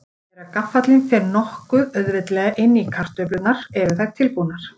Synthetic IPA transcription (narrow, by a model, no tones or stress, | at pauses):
ɛɾakafːat̪linfɛɾnɔhkʏðœðvɪt̪lɛɣaʔɪnːikʰar̥t̪œplʏt̪naɾ̥ɛɾʏθaj̥t̪ʰɪlpunaɾ̥